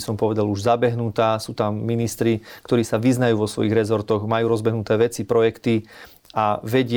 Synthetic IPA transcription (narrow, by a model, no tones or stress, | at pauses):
sɔmpɔʋɛd̪aluʒzabɛɦnut̪aːsuːt̪amːinist̪ɾikt̪ɔɾiːsaʋiznajuːʋɔsʋɔ̰jiɣɾɛzɔɾt̪ɔɣmajuːɾɔzbɛɦnut̪ɛːʋɛt͡sipɾɔjɛkt̪i | aʋɛɟɪ